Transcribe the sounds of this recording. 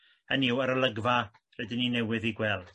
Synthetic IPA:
əniwəɾəlˠəɡva | rɛdɪninɛwɨðiɡwɛlˠd̥

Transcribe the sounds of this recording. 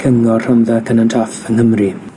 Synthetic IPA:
kʰəŋɔr̥amðakʰənantʰafənhəmri

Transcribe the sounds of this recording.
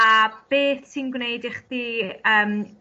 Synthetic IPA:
ab̥eːθsinɡwnejdɪχdiːəːm

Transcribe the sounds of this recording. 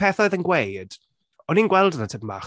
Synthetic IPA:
ɛθɔɨðənɡwejd̥ | ɔninɡwɛlˠdənatʰəbma̰

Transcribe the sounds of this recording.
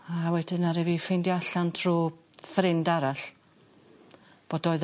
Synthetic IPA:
awɛdɪnaɾɛvifejndjaɬantʰruːfrɪndaɾaɬ | b̥oːdɔɨð

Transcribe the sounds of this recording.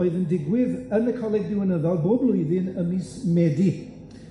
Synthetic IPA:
ɨðəndɪɡwɪðənəkʰɔlˠɛɡ̚dɪwənəðɔlˠboːblˠʊjðɪnəmiːsmɛdi

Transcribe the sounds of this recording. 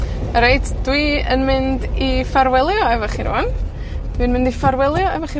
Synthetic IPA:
əɾejdd̥wiənmɪndifaɾwɛlˠjɔɛvɔχiɾṵan | d̥wiənmɪ̃ndifaɾwɛlˠjɔɛvɔχi

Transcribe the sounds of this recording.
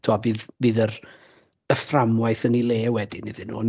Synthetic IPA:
tʰuavɨːðvɨːðər | əframwajθənilˠeːwɛdɪniðɨnṵːn

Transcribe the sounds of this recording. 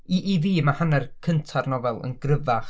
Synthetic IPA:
iʔːðiːmahanɛrkʰəntʰarnɔvɛlˠə̰nɡrəvaχ

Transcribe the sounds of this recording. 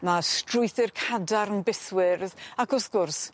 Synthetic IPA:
mastrʊɨθɪrkʰadaɾənbɪθwɪrðakʰɔsɡʊrs

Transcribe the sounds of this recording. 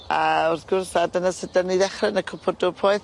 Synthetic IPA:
əaʊrθɡ̥ʊrsadənasədəniðɛχrənəkʰʊpʰɔdʊpʰoːɨθ

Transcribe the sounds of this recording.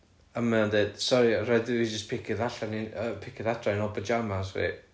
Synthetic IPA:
amaɔndeːd̥sɔɾirɛdɪid͡ʒəspʰɪkʰɪðaɬaniəpʰɪkʰɪðatʰranɔbəd͡ʒamasrḭ

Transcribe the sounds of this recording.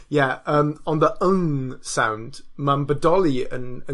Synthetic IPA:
jæʌ̃mə̃nðiʔʊ̃ŋsã̰ʊ̃ndmãmbədɔliə̰̃nə̃

